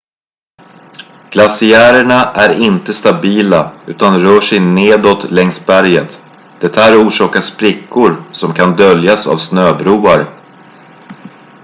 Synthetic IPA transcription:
ɡ̥lasɪæːɾəɳaʔæɾɪnt̪əst̪abiːlaʉ̟ːt̪anɾœːʂɛjneːd̪ot̪lɛŋsbæɾjət̪ | d̪̥ɛt̪ʰːaːɾuːʂɑːkaʂpɾɪkːʊɾsɔmkʰand̪œljasa̰vsnøːbɾuːaɾ

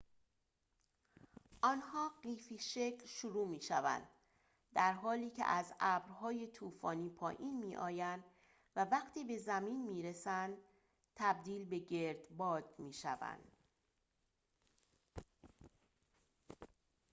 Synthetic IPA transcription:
ʔɒnhɒːɢiːfiːʃecʰlʃuɾuːmiːʃævæ̰nd̪̥ | d̪æɾɦɒːliːcʰḛʔæzæːbɾɦɒːje̞t̪ʰuːfɒːniːpʰɒːʔiːnmiːʔɒːjænd̪ | vævæqt̪ʰiːbe̞zæmiːnmiːɾesænd̪ | t̪ʰæb̚d̪iːlbe̞ɟe̞ɾd̪̥bɒːd̪̥miːʃæ̰væ̰nd̪̥

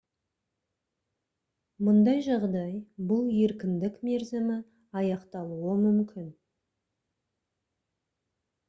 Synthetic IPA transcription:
mʊnd̪ɑjʒɑʁd̪ɑjbʊlˠje̞ɾkʲɪnd̪ɪkme̞ɾzɪmɪ | ɑjɑqt̪ɑlˠuəmʏmkʲɪn

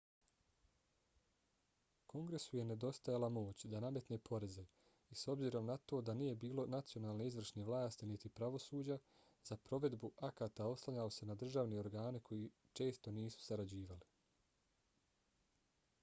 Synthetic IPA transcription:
kʰo̞ŋɡɾe̞suje̞ne̞d̪o̞st̪ajalamo̞ːt͡ɕd̪aname̞t̪ne̞ːpʰo̞ɾe̞ze | iso̞bziːɾo̞mnat̪o̞ːd̪anije̞biːlo̞nat̪sio̞naːlˠne̞izʋr̩ʃneʋlˠaːst̪init̪ipɾaʋo̞suːd͡ʑa | z̥apɾo̞ʋe̞d̪buʔakaːt̪ao̞slˠaʎalo̞se̞nad̪r̩ʒaʋneo̞ɾɡaːnikʰo̞ji | t͡ʃe̞ːst̪o̞niːsu̥saɾad͡ʑiːʋali

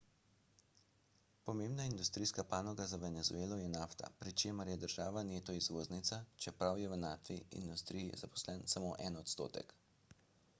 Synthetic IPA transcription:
pɔmeːmbnaind̪ust̪ɾijskapaːnɔɡazaʋɛnɛzṵeːlɔjɛnaft̪a̰pɾit͡ʃeːməɾjɛd̪əɾʒaːʋaneːt̪ɔizʋoːznit̪sat͡ʃɛpɾawjɛʋnaːt̪ʋiḭnd̪ust̪ɾijḭzapɔ̥slɛnsamoːʔɛ̰nɔt̪st̪o̰ːt̪ɛ̰k

